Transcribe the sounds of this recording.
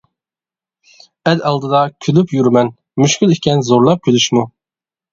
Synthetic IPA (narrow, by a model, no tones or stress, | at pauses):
ɛd̪ɑlˠd̪ɨd̪ɑkʲʰylypjyɾmɛn | myʃkʲylˠikʲʰɛnzoɾlˠɑp̚kʲʰylyʃmu